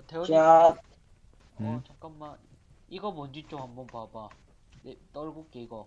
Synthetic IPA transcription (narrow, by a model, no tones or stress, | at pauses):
teat | ʌt͡ɕak͈anma | iɡʌmʌnd͡ʑit͡ɕ͈omɦambʌnpaba | det͈ʌɭɡok͈eiɡʌ